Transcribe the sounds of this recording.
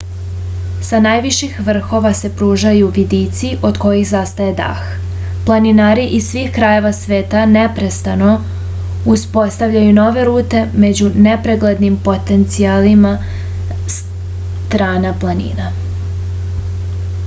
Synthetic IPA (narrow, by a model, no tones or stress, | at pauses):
sanaːjʋiʃixʋr̩xo̞ʋase̞pɾuːʒajuʋid̪it̪siʔo̞d̪ko̞jixzast̪aje̞d̪a̰x | plˠaninaːɾiʔissʋiːxkɾaje̞ʋasʋe̞ːt̪ane̞pɾe̞st̪ano̞ | uspo̞st̪aʋʎajuno̞ʋe̞ɾuːt̪e̞me̞d͡ʑune̞pɾeɡled̪nimpo̞t̪e̞nt̪sialima | s | t̪ɾaːnaplˠanḭːna